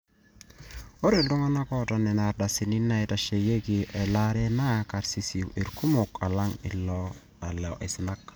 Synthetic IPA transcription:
o˦ɾe˦˨ldo˦ŋa˦na˦kɔ˦˨ta˦nɛ˨na˨ɾda˨sɪ˨ni˦na˦ɛ˦ta˨ʃe˨je˦ki˨ʔɛ˨la˦ɾe˦na˦ka˨ɾsi˨˦si˨wʔe˨ɾku˦mo˨ka˨la˦ŋɪ̰˨lɔ˦ | a˨lɛ˨ʔɛ˨sɪ˦na˦k̚

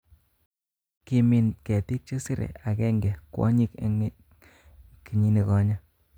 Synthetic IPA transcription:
ki˧mi˨nke˨ti˦k̚t͡ʃe˦si˦ɾḛ˨a˨kɛ˦ŋɡɛ˨kwɔ̰˦ɲi˦keŋ | ki˨ɲi˦ni˨kɔ˦ɲa˦

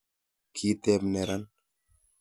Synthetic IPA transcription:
kʰi˦t̪e˦bne˨ɾan

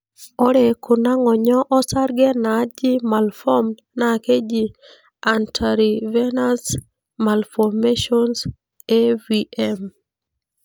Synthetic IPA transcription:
ɔ˦ɾe˨kʰʊ˨na˦ŋɔ˨ɲɔ˦ʔɔ˦sa˦ɾɡɛ˦na˨d͡ʒi˦ma˨lfɔ˦m | nake˦d͡ʒi˦ | antʰaɾi˨vɛ˦na˦s | ma˨lfɔmeʃɔns | e˦viɛm

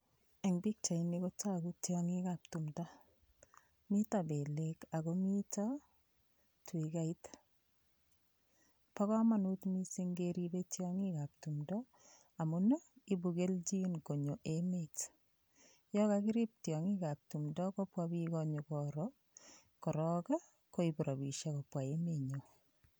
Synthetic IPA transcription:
ɛ˨ŋbi˦k̚t͡ʃa˨i˨ni˦ko˦t͡ʃa˦˨ku˦tjɔ˦ŋi˦ka˨p̚tu˨mdɔ˦ | mi˦ta˨be˨le˦ka˨ɣomi˦ta˦ | twi˨ka˦i˦t | pa˦kɔ˦ma˦nu˦tmi˦se˦ŋɡeɾi˦be˦tjɔ˦ŋi˦ka˨p̚tu˨mdɔ˦ | a˨muno˦i˦bu˨ɡe˦ld͡ʒi˦nko˨ɲo˨ʔemet | jɔ˦kakɪ˦ɾi˦p̚tjɔ˨ŋi˦ka˨p̚tu˨mdɔ˦kɔ˦pwabi˦kɔɲo˨kɔɾɔ | kɔ˨ɾɔ˦ka˦ | ko˦i˨bɾɔ˨bi˨ʃa˦ko˨pwa˨e˦meɲo˨

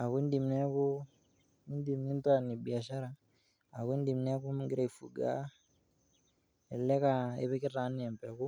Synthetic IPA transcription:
a˨ku˦i˦n˦di˨m˨nɛ˦ku˦ | i˦n˦di˨m˨ni˦n˦twa˦˨ni˨ɓi˨a˨ʃa˦ɾa˨ | a˨ku˦i˦ndi˨mn˦a˦ku˦m˦ŋɡi˦ɾa˦i˨fu˨ɡa̰˦ | ɛ˨lɛ˦ka˨ɛ̰˦βɛ˦k̬i˦ra˨˦ni˦ɛ˨mpɛ˨ku˦

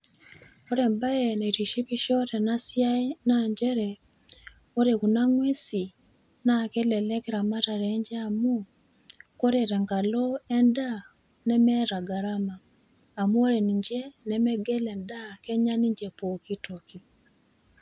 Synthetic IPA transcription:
o˦ɾe˨mba˦je˨ne˨ti˨ʃi˦pi˦ʃɔ˦tɛ˨nasja˦inaɲd͡ʒɛ˦ɾɛ | o˦ɾe˨ku˨na˦ŋwe˦si˨ | nake˦lɛ˨lɛ˦keɾa˨ma˦ta˨ɾɛɲd͡ʒe˦amu˦ | ko˦ɾeɾɛ˨ŋɡa˨lo˦ɛ˦nda˦ | nɛ˦mɛ˦ɾa˨ɡa˨ɾa˦maː˨ | mu˦o˦ɾe˨ni˨ɲd͡ʒe˦nɛ˦mɛ˦ɡe˦lɛnda˦kɛ˦ɲa˦ni˦ɲd͡ʒe˨po˨ki˦toki˨

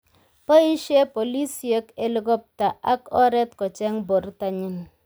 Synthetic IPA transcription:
pɔ˦i˦ʃe˦po˨li˦sje˦ke˦lu˦ɡɔ˦p̚ta˨ʔa˦kɔ˦ɾɛ˦t̚kɔ˨t͡ʃɛ˦ŋbo˨ɾta˨ɲi˦n

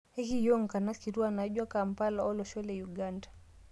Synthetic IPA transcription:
ɛ˦ki˦jɔ˦ŋ̩ka˨na˦ski˨ɾu˦a˦na˨˦ʄwa˦ka˨m̩˨pa˦laɔ˦lɔʃɔ˦lɛjuɡandḁ

